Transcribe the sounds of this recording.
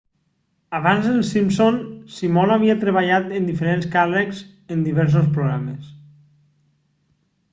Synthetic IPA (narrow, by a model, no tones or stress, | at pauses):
aβanzenlsimsonsimonaβ̞iat̪ɾeβaʎat̪end̪ifeɾenskarekz | end̪iβ̞ɛɾs̬ospɾoɣɾames